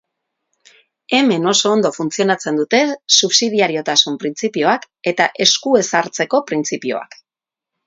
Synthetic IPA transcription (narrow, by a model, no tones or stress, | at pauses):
e̞me̞no̞so̞ːnd̪o̞funt͡sio̞nat͡se̞nd̪ut̪e̞suβsið̞iaɾio̞t̪asumpɾint͡sipio̞ak | e̞t̪aʔe̞skue̞saɾt͡se̞ko̞pɾint͡sipio̞̰a̰k